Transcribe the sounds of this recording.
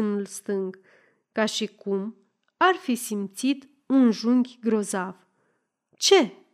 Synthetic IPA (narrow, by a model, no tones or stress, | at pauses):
nulst̪ɨŋɡ | kaʃikum | arfisimt̪sit̪ | unʒuŋɡʲɡɾo̞zav̥ | t͡ʃe̞